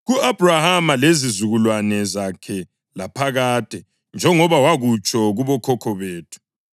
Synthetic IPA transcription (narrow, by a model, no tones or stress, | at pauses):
ɣuab̥ʱrahamalezizuɣulwanɛzakʰɛ | lapʰaɣaːtʼɛ | nd͡ʒʱɛŋɔβawaɣut͡ʃʼɔɣuβɔkʰɔkʰɔβeːtʰu̥